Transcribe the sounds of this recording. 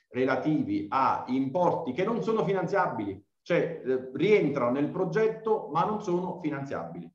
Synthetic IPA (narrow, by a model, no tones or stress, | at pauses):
relat̪iːvia̰impɔrt̪ikenːonsoːnofinant̪sjabːili | t͡ʃoɛrient̪ɾanonelpɾod͡ʒɛt̪ːomanːonsoːnofinant̪sja̰bːili